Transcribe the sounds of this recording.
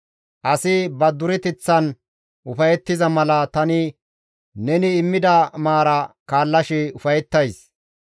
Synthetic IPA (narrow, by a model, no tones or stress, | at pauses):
ʔɐsɪbɐd̪ʊɾɛt̪ɪt͡sːɐn | ʔʊfɐjɛt̪ːɪzɐmɐlɐt̪ɐnɪ | nɛnɪːmːɪd̪ɐmaːɾɐkaːlːɐʃɛʊfɐjɛt̪ːɐjs